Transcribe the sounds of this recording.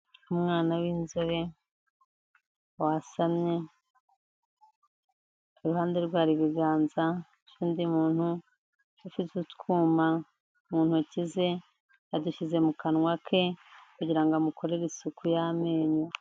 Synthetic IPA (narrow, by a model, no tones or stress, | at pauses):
umŋaːnawiːnzoɾe | wasamɲe̞ | uɾuhaːnde̞ɾɡwaːɾiβiɡaːnza | t͡ʃiːndimuːn̥hu | ufizutkuːma | umuːn̥hucize̞ | aduʃize̞mukanwakʰe̞kuɟiɾaŋɡamukʰo̞ɾeɾisukʰujameːɲo